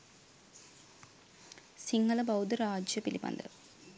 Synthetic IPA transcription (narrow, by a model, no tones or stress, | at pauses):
siŋːɐlɐbɐwd̪ɐɾaːd͡ʒjɐpilipɐ̰nd̪ɨ̰